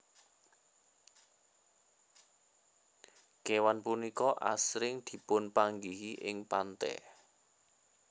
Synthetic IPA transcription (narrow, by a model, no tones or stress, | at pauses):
kewanpunikɔʔa̰sɾɪŋd̪̥i̤pʊnpaŋɡiɦiʔɪŋpant̪ɛ̰